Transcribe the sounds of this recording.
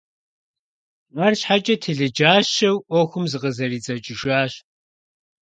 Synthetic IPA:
ɐrɕħat͡ʃʼɐtʰɨɮɨd͡ʒaːɕɐwʔɔxʷʊmzɨqəzɐriːt͡sʼɐt͡ʃʼɪʒaːɕ

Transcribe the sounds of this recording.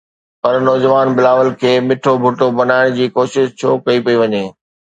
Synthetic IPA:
pɐɾnɔːd͡ʑəʋaːnbɪlaːʋəlkʰeːmɪʈʰobʱʊʈobɐnaːɪɽ̃d͡ʑiːkoːʃɪʃt͡ɕʰoːkɐipɐiʋɐɲeː

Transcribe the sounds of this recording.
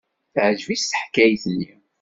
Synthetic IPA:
θʕʒvist̪ə̥ħkæjθlːi

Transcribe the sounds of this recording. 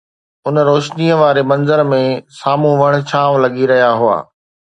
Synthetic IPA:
ʊnɾoːʃniːəʋaːɾemɐ̃nzəɾmẽsaːmũʋɐɽ̃̆t͡ɕʰaːʋlɐɡiɾɐɦijaɦʊa̰ː

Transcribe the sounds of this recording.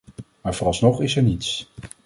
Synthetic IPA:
maːɹvɔrɑlˠsnɔχɪsɛɹnits

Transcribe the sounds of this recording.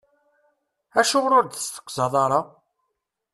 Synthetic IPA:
æʃʊʁɾʊɾd̪əsθə̥kʷːzɑðˤɑɾˤɑ

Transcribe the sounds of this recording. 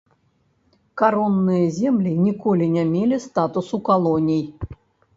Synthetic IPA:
kaɾonːɨjəzʲemlʲinʲikolʲɪnʲamʲelʲɪst̪at̪usukalˠonʲij

